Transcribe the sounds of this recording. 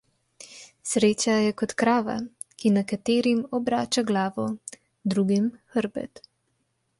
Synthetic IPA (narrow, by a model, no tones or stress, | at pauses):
sɾeːt͡ʃajɛkɔt̪kɾaːʋa̰ | kinakat̪eːɾimɔbɾaːt͡ʃaɡlaːʋɔ | d̪ɾuːɡimxəɾbɛ̰t̪